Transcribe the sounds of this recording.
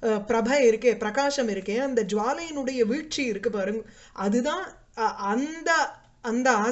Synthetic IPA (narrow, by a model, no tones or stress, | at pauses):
pɪɾɐbʱɐɪɾɯkːẽːpɪɾɐkaːʂɐmɪɾɯkːẽːɐnd̪ɐd͡ʒʋaːlɐjɪnɯɽɐjɐʋiːɻt͡ʃːiɪɾɯkːɯpaːɾɯŋɡɐ | ʔɐðɯt̪ãː | ɐnd̪ɐ | ɐnd̪ɐɐː